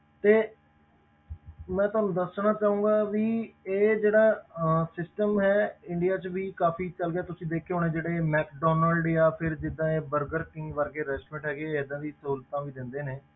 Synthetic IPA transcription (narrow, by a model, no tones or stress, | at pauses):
t̪eː | mɛ̃ːt̪oʊɦaːnũːd̪əsnaːt͡ʃaːũːɡaːʋiːeːd͡ʒeːɽaːsɪsʈəmɦɛːɪɳɖijaːt͡ʃʋiːkaːpʰiːt͡ʃəlɡɪjaːt̪ʊsĩːd̪eːkʰːeːɦoːneːd͡ʒeːɽeːmɛːkɖɔːnəlɖjaːpʰɪɾd͡ʒɪd̪ːãːeːbəɾɡəɾkɪ̃ŋɡʋəɾɡeːɾɛsʈmẽːʈɦɛːɡeːɪd̪ãːd̪iːsəɦuːlt̪ãːʋiːd̪ɪ̃nd̪eːneː